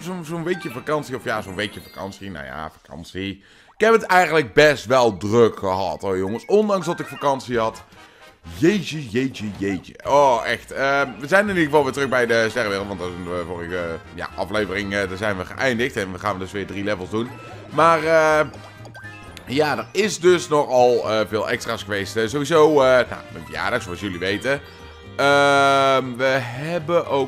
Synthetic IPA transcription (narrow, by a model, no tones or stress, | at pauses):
zonzonʋejkjəfakɑnsiɔfjaːzonʋejkjəfakɑ̰nsina̰wja̰fakʰɑ̰nsi | ɪkɦɛpətɛjɣəntləɡ̚bɛstʋɛlˠdrɵkxəɦɑ̰tojoŋəsɔndɑŋzdɑtɪkfakɑnsiɦɑt | jejt͡ʃəjejt͡ʃəjejt͡ʃə̰oɛxtəʋəzɛjnɪnidəɣəvɑlˠʋɪːtrɵxbɛjdəstɛrʋɪːəlˠtʋɑntdɛnəvoːrəɣəja̰ʔɑ̰flejvərɪŋədazɛjnʋəχə̰ʔɛjndəxtɛnʋəχaːnʋədɵsʋɪːɹdrilɛvəlˠzdun | maːrə | jaːdərɪsdɵsnɔχɑlˠəvɪːlˠʔɛ̰kstraːsxəʋejstəzowʋizowəna̰ənvəja̰ːɹdɑxsoɑsjɵliʋejtə | əmʋəɦɛbənʔo